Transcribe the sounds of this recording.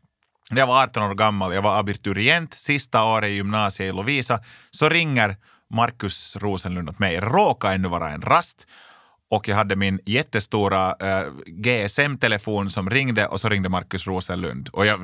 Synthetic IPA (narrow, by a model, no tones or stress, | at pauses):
nɛjavaɾɑːt̪ːɔnoːɾɡamːaljɑːɡvaɾabɪɾt̪ʉɾɪɛnt̪sɪst̪aoːɾəɪjʏmnɑːsɪəɪlʊviːsa | sɔɾɪŋːəɾ | maɾkɵsɾuːsənlʉnd̪ɔt̪mɛjɾoːkaɛnːʉvɑ̰ːɾa̰ɛ̰nɾast̪ | ɔkːjɑɡɦad̪ːəmɪnjɛt̪ːəst̪uːɾa | ɡeːɛsɛmt̪ʰɛlɛfuːnsɔmɾɪŋːd̪əʔɔsɔɾɪŋd̪əmaɾkɵsɾuːsənlʉ̰nd̪ɔjɑː